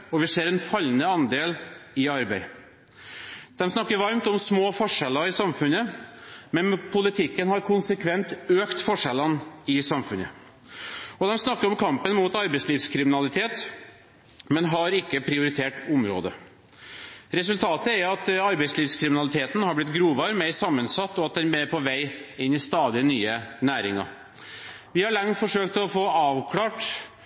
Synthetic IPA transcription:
ɔʋɪseːɾɛnfɑlːənəɑnd̪eːlɪɑɾbæɪ | d̪̥ɛmsnɑkːəɾʋɑɾmt̪ɔmsmoːfɔʂɛlɑɪsɑmfʉnəmɛnpʰʊlɪt̪ʰɪkːənhɑɾkʰʊnsəkʰʋɛnt̪øːkt̪fɔʂɛlɑnɪsɑmfʉnə̰ | ɔd̪ɛnsnɑkːəɾɔmkʰɑmpənmuːt̪ɑɾbæɪsliːfskʰɾɪmɪnɑlɪt̪ʰeːt̪ | mɛnɦɑɾɪkːəpʰɾɪʊɾɪt̪ʰeːʈʊmɾo̰ːd̪ə | ɾɛs̬ʉlt̪ʰɑːt̪əæɾɑt̪ɑɾbɛɪsliːʋskʰɾɪmɪnɑlɪt̪ʰeːt̪n̩hɑɾblɪt̪ɡɾuːʋɑɾmɛɪsɑmːənsɑt̪ːɔɑt̪̚d̪ɛnbæɾpʰɔʋæɪɪnːɪst̪ɑːd̪ɪənyːənæːɾɪ̰ŋɑ̰ɾ | ʋɪhɑɭɑŋt̪fɔʂøːkt̪ʰɔfoːɑːʋkʰlɑːʈ

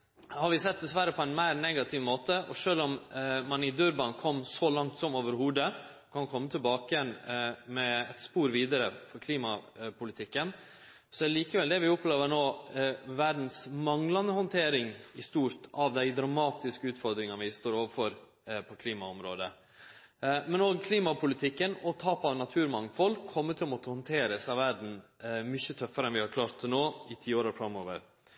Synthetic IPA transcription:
hɑɾʋɪsɛt̪̚d̪ɛsʋæɾəpʰɔɛnmæɪɾnɛɡɑt̪ʰɪʋmoːt̪əʔɔ̰ʂøːlɔmːɑnɪd̪ʉɾbɑnkʰɔmːsɔlɑŋt̪sɔmoːʋəɾhuːd̪ə | kʰɑnkʰɔmːət̪ʰɪlbɑːkəjɛnmɛɛt̪spuːɾʋiːd̪əɾəfɔɾkʰliːmɑpʰʊlɪt̪ʰɪkːən | sɔɛɾliːkəʋɛld̪ɛʋɪʊpːleːʋənoːʋæɖn̩smɑŋlɑnəhɔnt̪ʰeːɾɪŋɪst̪uːɾt̪ʰɑʋd̪æɪd̪ɾɑmɑːt̪ɪskəʉːt̪fɔɾd̪ɾɪŋənəʋɪst̪oːɾoːʋəɾfɔɾ | pʰɔkʰliːmɑɔmɾoːd̪ə | mɛnoːɡkʰliːmɑpʰʊlɪt̪ʰɪkːənɔt̪ʰɑːpɑʋnɑt̪ʰʉːɾmɑŋfɔlkʰːɔmːət̪ʰɪlɔmɔt̪ːəhɔnt̪ʰeːɾəsɑʋʋæɖn̩mʏçət̪ʰœfːəɾəɛnʋɪhɑɾkʰlɑːɾt̪noːɪt̪ʰiːoːɾəfɾɑmːoːʋə̰ɾ

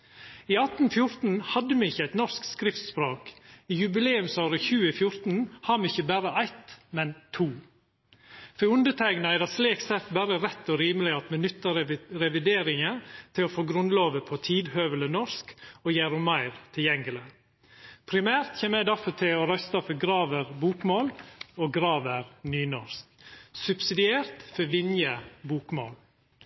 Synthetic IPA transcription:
iːɑt̪n̩fjʊɾt̪n̩hɑd̪ːəmɛɪçːəæɪt̪nɔɾskskɾɪft̪spɾoːkiːjʉbɪleːʉmsɑːɾəçʉːəɪfjʊɾt̪n̩hɑːɾmɛɪçəbæɾəʔæɪt̪mɛnt̪ʰuː | fɔɾʉnd̪ət̪ʰæɪɡnɑæd̪ɑsleːksɛt̪bæɾəɾɛt̪ːɔɾiːməlɪɑt̪mɛnʏt̪ːɑɾɾɛʋɪd̪eːɾɪŋət̪ʰɪlɔfoːɡɾʉnloːʋəpʰɔt̪ʰiːd̪høːʋələnɔɾskɔjæːɾʊmɑɪɾt̪ʰɪljɛŋɡələ | pʰɾɪmæːɾt̪çeːməɛd̪æfɔt̪ʰɪlɔɾœst̪ɑfɔɾɡɾɑːʋəɾbuːkmoːlɔɡɾɑːʋəɾnyːnɔɾsksʉbsɪd̪ɪeːɾt̪fɔʋɪnjəbuːkmo̰ːl

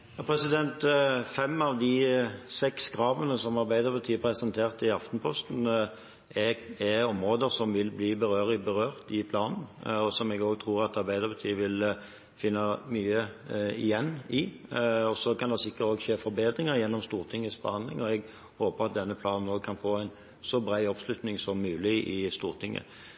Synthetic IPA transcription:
jɑːpʰɾɛsɪd̪ɛnt̪fɛmːɑʋd̪ɪsɛksɡʁɑːʋənəsɔmɑɾbæɪd̪əɾbɑt̪ʰiːəpʰɾɛsənt̪ʰeːʁt̪ɪɑft̪n̩pʰɔst̪n̩ | ɛɛɔmʁoːd̪əɾsɔmʋɪlbliːbəɾøːʁɪbəʁøːʁt̪ɪpʰlɑːnn̩ɔsɔmɛɡoːɡ̚t̪ʰʁuːɾɑt̪ɑɾbæɪd̪əɾbɛt̪ʰiːəʋɪl | fɪnːɑmyːəɪjɛnːɪɔsɔkɑnd̪ɛsɪkːət̪oːɡʃeːfɔɾbeːd̪ɾɪŋəɾjɛnːɔmst̪uːʁt̪ʰɪŋːəsbəhɑnd̪lɪ̰ŋɔɛɡ | hoːpəʁɑt̪̚d̪ɛnːəpʰlɑːnənoːɡ̚kʰɑnfoːæɪn | sɔbɾæɪɔpslʉt̪nɪŋsɔmːʉːlɪʔɪst̪uːʁt̪ʰɪŋːə̰

